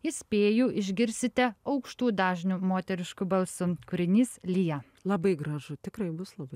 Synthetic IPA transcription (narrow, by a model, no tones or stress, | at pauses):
ɪsʲpʲeːjuːʔɪʒʲɡʲɪɾʲsʲɪt̪ʲɛɐʊkʃt̪uːd̪ɑːʒʲnʲumoːt̪ʲɛɾʲɪʃkʊbɐlˠsʊkʊɾʲɪnʲiːslʲijɛː | lˠɐbɐɪɡɾɐʒʊt̪ʲɪkɾɐɪbʊslˠɐbɐɪ